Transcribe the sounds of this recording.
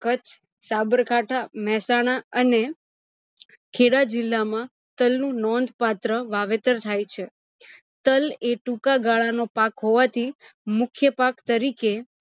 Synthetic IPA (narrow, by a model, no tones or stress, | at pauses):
kət͡ʃʰ | sabəɾkaʈʰamɛsaɽ̃aəne | kʰeɽad͡ʒɪlːamã | t̪əlnũnɔnd̪ʱpat̪ɾəʋaʋet̪əɾt̪ʰajt͡ʃʰe | t̪əleʈũkaɡaɭanopakɦoʋat̪ʰimʊkʰjəpakt̪əɾike